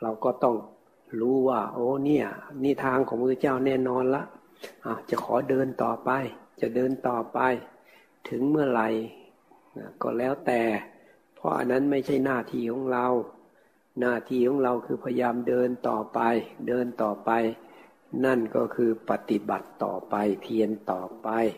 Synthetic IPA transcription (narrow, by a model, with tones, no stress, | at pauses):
la˧wkɔː˧˩t̪ɔ˧˩ŋ | luː˧˦waː˧˩ʔoː˧˦ni˧˩ɐniː˧˩˨t̪ʰaː˧ŋkʰɔː˨˦ŋpʰːt͡ɕaː˥˩˨wnɛː˧˩˨nɔː˧nla˧˥ʔ | ʔa˧˩wt͡ɕa˧˩˦kʰɔː˨˦dɤː˧nt̪ɔ̰ː˨˩pa˧jt͡ɕa˨˧˨dɤː˧nt̪ɔː˨˩pa˧j | t̪ʰɯ˨˦ŋmɯ˥˩ɐla˨˧˩j | a˧˩kɔ̰ː˧˩lɛː˧˩˨wt̪ɛː˨ | pʰɔ̰˧ʔa̰˧˨nːa˦˥˨nma˧˥˩jt͡ɕʰa˧˥˩jnaː˧˩t̪ʰiː˧˩kʰɔː˨˦ŋla˧w | naː˧˩t̪ʰiː˧kʰɔː˨˦ŋla˧wkʰɯː˧˩pʰa˧jaː˧mdɤː˧nt̪ɔ̰ː˨˩pa˧jdɤː˧nt̪ɔː˨˩pa˧j | na˧˥˩nkɔ̰ː˧˩kʰɯː˧pa˧t̪i˧ba̰˨˩t̪ːɔ̰ː˨˩pa˧jpʰi˧ənt̪ɔː˨˩pa˧j